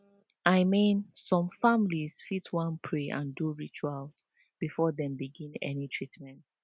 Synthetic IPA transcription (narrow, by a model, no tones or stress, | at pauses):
ʔaɪmĩnsɔ̃mfamliz̥fitʰwãnpʰɹeʔã̰nduɹit͡ʃalt | b̥ifɔðɛ̃mbiɡĩnɛ̰nitʰɹitmɛ̃nt